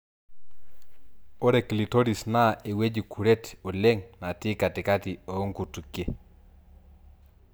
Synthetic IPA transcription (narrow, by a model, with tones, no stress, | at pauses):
o˦ɾe˨ki˨li˨to˦ɾi˨sna˦˨e˨we˦d͡ʒi˨kʰu˨ɾe˦to˨le˦ŋna˨tɪ˦ka˨tɪ˨ka˦ti˨o˨˦ŋku˨tu˨kje˦